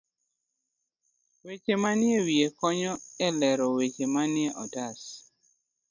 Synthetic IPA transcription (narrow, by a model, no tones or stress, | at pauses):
wet͡ʃemanɪewiekɔɲɔɛlɛɾɔwet͡ʃemanjɛʔɔdas